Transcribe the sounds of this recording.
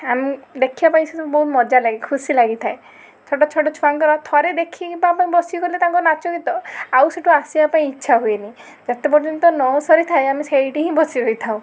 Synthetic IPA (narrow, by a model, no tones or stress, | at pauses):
amid̪ekʰibapaĩset̪ɔbɔɦut̪mɔd͡ʒalaɡikʰusilaɡit̪ʰae | t͡ʃʰɔʈɔt͡ʃʰɔʈɔt͡ʃʰuaŋkɔɾɔt̪ʰɔɾed̪ekʰibapaĩbɔsiɔkɔɾilet̪aŋkɔnat͡ʃɔkit̪ɔawseʈʰuasibapaĩːtːʃʰaɦueni | d͡ʒat̪epɔɾd͡ʒɔnt̪ɔnɔsɔɾit̪ʰaeamisejʈiɦĩbɔsiɾoit̪ʰaw̃